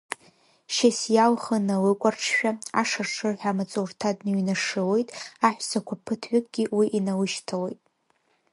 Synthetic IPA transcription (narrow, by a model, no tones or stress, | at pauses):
ʃasjalχənawɨkʷʼarʈ͡ʂʰʃᶣaaʂarʂʰɨrħᶣamat͡sʼortʰadnɥnaʂɨlo̞jtʼaħᶣʷsakʷʰapʰɨtʰʕʷʏkʼɡʲiwiʔinawɨʃtʰalo̞jtʼ